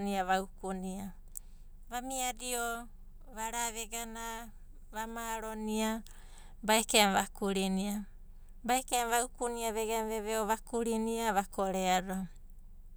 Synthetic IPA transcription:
niaβawkunia | βamiadio | βaɾaβeɡana | βamaɾonia | baekemβakuɾinia | baekemβaukuniaβeɡamβeβeoβakuɾiniaβakoɾeaɾo

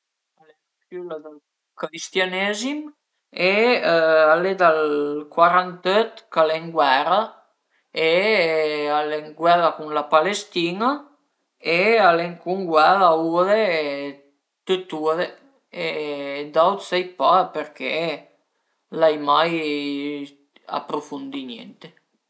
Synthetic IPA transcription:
ale | kylad̪al | kɾist̪janezim | e | aled̪alkwaɾant̪øt̪kaleŋɡwɛɾə | e | aleŋɡwɛɾakuŋlapalest̪ina | ealeŋkuŋɡwɛðauðe | t̪øt̪uðe | ed̪awt̪sɛjpapeɾkḛ | lajmaj | a̰pɾofund̪injḛnt̪e

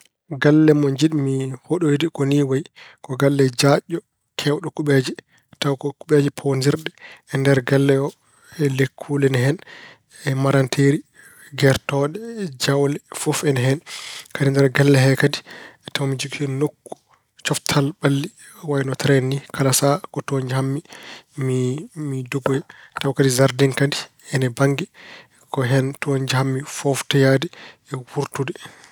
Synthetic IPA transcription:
ɡalːɛmɔɲd͡ʒiɗmihoɗɔwidikoniwajikɔɡalːɛd͡ʒaɗːɔ | kʰɛwɗɔkuɓed͡ʒi | tawkɔkuɓed͡ʒipʰondiɾɗɛɛndɛɾɡalːɛɔ | ɛlekʰːulɛnɦɛn | ɛmaɾantʰeɾi | ɡɛɾtɔɗɛd͡ʒawlɛfɔfɛnɦɛnkadindɛɾɡɛlːɛɦɛkaditawmid͡ʒukʰɔnokːu̥ | t͡ʃɔftʰalɓalːi | wajnɔtɾɛnːikalasakɔtoɲd͡ʒɛhamːimimiduɡɔɛtawkadizaɾdiŋkadi | ɛnɛbaŋɡɛ | kɔɦɛntoɲd͡ʒɛhamːifɔftajadɛɛwuɾtudɛ

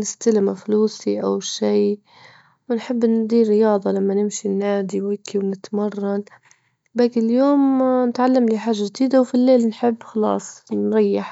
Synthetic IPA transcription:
nɪst̪alɪmafluːsiʔawʃiː | wɪnħɪbːnd̪iːrɾɪjɑːd̪ˤɑlamːanɪmʃinːaːd̪iwɪkʰːiwnɪt̪mɑrˤːɑn | bakɪljoːmnɪt̪ʕalːamliħaːʒːaʒd̪iːd̪awfilːeːlnħɪbːxɑlɑ̰ːsˤnɾˤɑjːɪħ

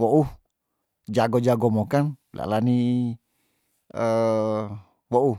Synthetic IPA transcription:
wɔʔu | d͡ʒaɡɔd͡ʒaɡɔmɔkanlʔa̰lani | ə | wɔʔu

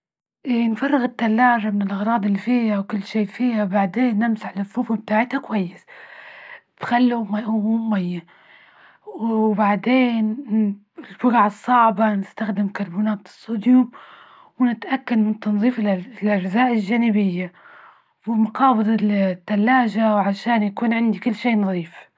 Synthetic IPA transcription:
ʔinfɑrˤːɑɣɪt̪ːalːaːʒamɪnɪlʔɑɣɾˤɑːd̪ˤɪlːifiːhawkʊlːʃeːʔfiːhabaʕd̪eːnːɪmsaħlaθːuːfub̚t̪aːʕɪt̪hakwajːɪs | b̥xalːuwmaʔummajːa | baʕd̪eːn | ɪlbʊɾʕɑsˤːɑʕbanɪst̪axd̪ɪmkɑɾˤbuːnaːt̪sˤːud̪jʊm | wnɪt̪ʔakːad̪mɪnt̪ːɑnðˤiːflʔad͡ʒzaːʔɪlʒaːnɪbɪjːa | wɪmʊqɑːbɨd̪ˤt̪ːalːaːʒawʕaʃaːnjakuːnʕɪnd̪ikɪlːʃeːnɑðˤiːf

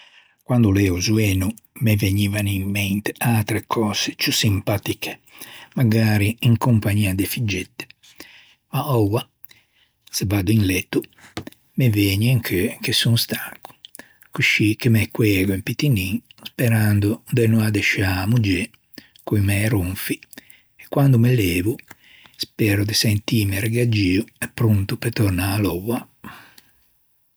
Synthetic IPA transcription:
kwand̪ulɛːuzuɛːnu | meveɲiːvanimːɛnt̪e̥at̪ɾekʰɔːz̥et͡ʃusimpat̪ikʰe̥maɡaːɾiiŋkumpaɲiːad̪efid͡ʒɛt̪ːɛ̥ | maɔwa | sebad̪uinlɛt̪ːu | meveːɲeŋkʰkesuŋst̪aŋku̥ | kuʃikemɛkːwɛːɡuimpit̪iniŋspɛɾand̪ud̪enuad̪ɛʃamud͡ʒe | kujmɛɾuɱfi | ɛkːwand̪umeleːvu | spɛːɾud̪esɛnt̪iːmeɾeɡad͡ʒiːuɛpːɾunt̪upet̪ɔrnaːlɔwa

